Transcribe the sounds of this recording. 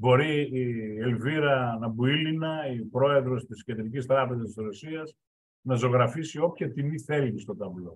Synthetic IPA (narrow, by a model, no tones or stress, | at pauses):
bo̞ɾielviɾɐnɐbuilinɐipɾo̞e̞ðɾo̞st̪isced̪ɾicist̪ɾɐpe̞zɐsisɾosiɐs | nɐzo̞ɣɾɐfisio̞pçɐt̪iniθe̞list̪o̞t̪ɐvlo̞